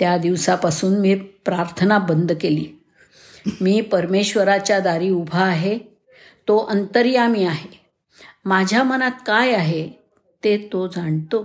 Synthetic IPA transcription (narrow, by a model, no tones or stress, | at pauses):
t̪jad̪iʋsapasuːnmiːpɾaɾt̪ʰənabənd̪ʱkeliː | miːpəɾmeɕʋəɾat͡ɕjad̪aɾiːubʱaːɦe | t̪oʔənt̪əɾijamiːaɦe | mad͡ʑʱjamənat̪̚kajaɦe | t̪et̪od͡zaɳt̪o